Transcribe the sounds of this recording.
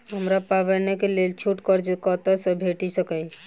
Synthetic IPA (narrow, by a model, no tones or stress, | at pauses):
ɦəmɾapaβənekelelt͡ʃʰuʈkəɾd͡ʒkət̪əsə̃bʱeʈisəkəj